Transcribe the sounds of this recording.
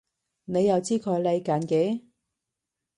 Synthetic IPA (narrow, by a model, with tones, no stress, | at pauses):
ne˨˧jːɐ˨˧wt͡siː˥kʰɔː˨˧jle˧jkaː˨˥nke˨˥˦